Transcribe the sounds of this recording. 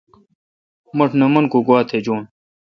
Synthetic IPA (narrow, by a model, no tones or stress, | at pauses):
mɐʈʰnɐmɐnkoɡwaːt̪ʰed͡ʑoːn